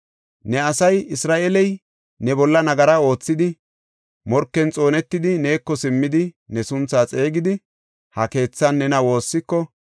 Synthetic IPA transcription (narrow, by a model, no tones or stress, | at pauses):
nɛɐsɐjɪsɾaːʔɛlɛj | nɛbɔlːɐnɐɡɐɾɐo̞ːt͡sːɪd̪ɪ | mɔɾkːɛnt͡sʼo̞ːnɛt̪ːɪd̪ɪne̞ːkːɔsɪmːɪd̪ɪnɛsʊnt͡sːaːt͡sʼe̞ːɡɪd̪ɪ | hɐke̞ːt͡sːɐnːɛnɐwo̞ːsːɪkːɔ